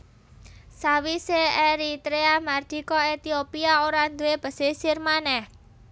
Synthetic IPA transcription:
sawiseeɾit̪ɾeamard̪̥i̤kɔet̪iopiaoɾand̪uweb̥ə̤sesirmanɛh

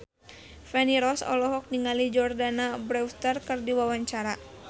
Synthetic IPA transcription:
fɛniɾɔsɔ̰lɔɦɔk̚niŋalid͡ʒɔrdanabɾɛwt̪ərkɨrdiwawaɲt͡ʃaɾa

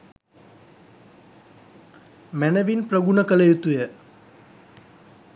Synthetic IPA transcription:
mænəʋinprəɡunəkəlejut̪ujə

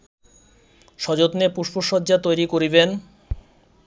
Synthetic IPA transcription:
ʃɔd͡ʑot̪nepuʃpoʃɔdːʑat̪ojɾikoɾiben

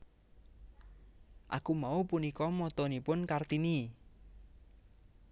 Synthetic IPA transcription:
ʔa̰kumaupunikɔmɔt̪ɔnipʊnkart̪ini

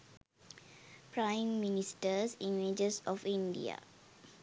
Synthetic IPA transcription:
pɹãɪ̃mːinistəsĩnwed͡ʒəsɔfĩndḭa̰

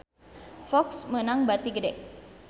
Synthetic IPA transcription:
fɔksmənaŋbat̪iɡədɛʔ̚

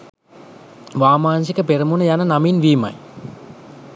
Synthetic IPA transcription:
ʋaːmaːnsikəpeɾəmunəjanənaminʋiːma̰j

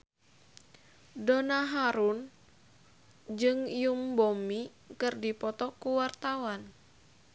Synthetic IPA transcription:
donaɦaɾun | d͡ʒɨŋijumbomi | kɨrdipɔt̪ɔkuwart̪awan

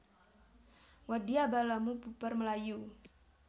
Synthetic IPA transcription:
wadiabalamubupərməlaju

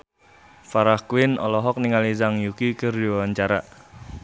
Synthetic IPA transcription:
faɾahkuɪnɔ̰lɔɦɔk̚niŋalis̬aŋjukikərdiwawaɲt͡ʃaɾa

